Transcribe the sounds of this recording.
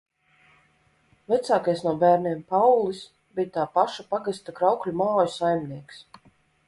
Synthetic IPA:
vɛt̪saːkajsnuɔbæːɾniɛmpawlˠis | bʲijt̪aːpaʃapaɡɨst̪akɾawklʲumaːjusajmniɛks

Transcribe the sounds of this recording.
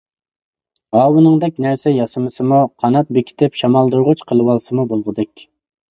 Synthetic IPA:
ɑːwɨnɨŋd̪ɛk̚ʲnæɾsɛjɑsɨmɨsɨmuqʰɑnɑt̪̚bekʲʰi̥t̪ʰɪpʃɑmɑlˠd̪uɾʁʊt͡ʃqʰəlˠɨwɑlˠsɨmubolˠʁəd̪ɛkʲ

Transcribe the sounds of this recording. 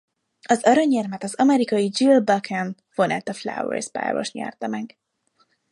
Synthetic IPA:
ɒzɒɾɒɲːɛrmɛt̪ɒzɒmɛɾikɒjid͡ʒilbɒkʰɛn | fonɛ̰t̪ɒfla̰wɛ̰rzpa̰ːrvo̰ʃt̪ɲɛ̰rt̪ɒmɛɡ

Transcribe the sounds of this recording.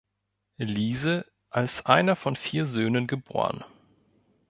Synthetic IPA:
eliːzə | ʔalsʔaɪnɐfɔnfiːɐzøːnənɡəbo̰ːʁən

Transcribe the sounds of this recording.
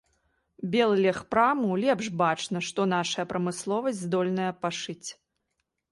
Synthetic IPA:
bʲɛlˠlʲɛxpɾamulʲɛpʂbat͡ʂnɐʂt̪ɔn̪aʂɐjɐpɾɐmɨslˠɔvɐsʲzd̪ɔlʲnɐjɐpaʂɨt͡sʲ

